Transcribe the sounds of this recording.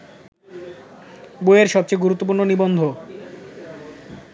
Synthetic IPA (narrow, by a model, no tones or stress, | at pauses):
boeeɾʃɔb̚t͡ɕejɡuɾut̪ːop̬uɾnonibond̪ʱo